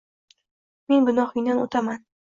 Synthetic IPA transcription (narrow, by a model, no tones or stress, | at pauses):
me̞nbɪnɒhɪjnano̰t̪ʰaman